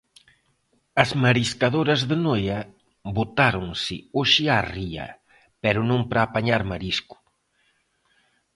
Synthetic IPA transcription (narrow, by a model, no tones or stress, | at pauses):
ɐzmaɾiskaðoɾɐzðɪnojɐ | bot̪aɾoŋsɪ̰oʃɪariɐ̰ | pɛɾʊnõŋpɾaːpaɲaɾmaɾiskʊ̥